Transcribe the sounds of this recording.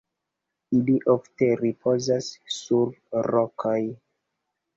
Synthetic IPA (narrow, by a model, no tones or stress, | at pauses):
iliʔofteɾipʰozasːuɾɾokʰoj